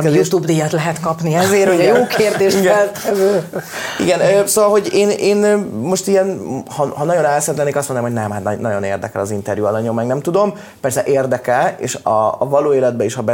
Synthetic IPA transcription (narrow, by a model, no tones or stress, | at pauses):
jut̪ubd̪ijɑt̪lɛɦɛt̪kɒpniɛzeːrhoɟɒjoːkʰeːrd̪eːʃiɡɛlt̪ʰɛvøːḭɡɛnøːsoːvɒlɦo̞ɟeːneːnːo̞ʃt̪ijɛnhɒhɒnɒɟjo̞nɛlsɛnt̪ɛneːkɒstmonnːamɦo̞ɟʲnɛmhat̪nɒnɒɟo̞nḛːrd̪ɛ̰kɛlɒzint̪ɛɾjuɒlɒɲomːɛŋɡnɛmt̪ud̪o̞m | pɛrsɛʔeːrd̪ɛkɛlḛːʃɒ̰ːvɒloːeːlɛd̪̚bɛiʃhɒbɛ